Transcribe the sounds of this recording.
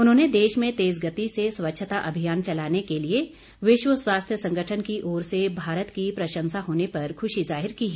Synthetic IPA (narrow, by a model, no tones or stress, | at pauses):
ʊnɦõːned̪eːʃmẽt̪eːzɡət̪iseswətːʃʰət̪aʔɐbʱijaːnt͡ʃɐlaːnekelie | ʋɪʃwəswaːst̪ʰjəsɐ̃ŋɡəʈʰənkiʔɔːɾsebʱaːɾət̪kipɾɐʃə̃nsaɦoːnepɐɾkʰʊʃizaːɦɪɾkiɦɛː